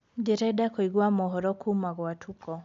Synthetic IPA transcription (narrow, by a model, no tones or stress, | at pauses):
dɪɾɛdakoiɡwamɔɦɔɾɔkʰumaɡɔatʰukɔ